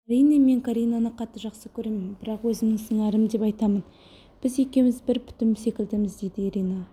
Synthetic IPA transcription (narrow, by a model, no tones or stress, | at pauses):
ɑɾijne̞me̞ŋkʰaɾijnanəqʰɑt̪ːəʒɑqsəkʲʰɵɾe̞mɪmbɪɾɑqwɵzɪŋɪŋsəɴɑɾəmd̪e̞pɑjt̪ɑmən | b̥ɪze̞kʲe̞mɪzbɪɾpʰʏ̥t̪ɪmse̞kʲɪld̪ɪmɪzd̪ejd̪ɪjeɾijna